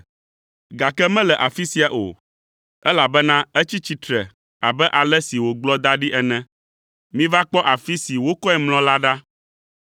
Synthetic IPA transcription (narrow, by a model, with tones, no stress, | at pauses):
ɡa˨kɛ˦mɛ̃˦lɛ˨ʔa˨fi˦si˦a˨ʔo̰˨ | ɛ˦la˨bɛ˦nã˦ɛ˦t͡ɕi˦t͡ɕi˦t̪ɾɛ˨ | a˨bɛ˦ʔa˨lɛ˦si˨wo˨ɡ͡blɔ˦d̪a˦ɖi˦ʔɛ˨nɛ̃˦ | mĩ˦va˦k͡pɔ˦ʔa˨fi˦si˨wo˦kɔ˦ɛ˨ml̃ɔ̃˦la˦ɖa˦